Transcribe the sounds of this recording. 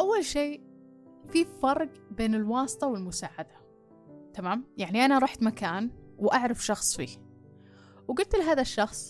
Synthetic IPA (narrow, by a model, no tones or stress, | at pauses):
ʔawːalʃeː | fifɑɾˤɡbeːnɪlwɑːst̪ˤɑwɪlmʊsaːʕad̪a | t̪amaːmjaʕniʔanaɾˤɑːħt̪makaːnwʔaʕɾɑfʃɑxsˤfḭː | wɡʊlt̪lɪɦaːðaʃːɑxsˤ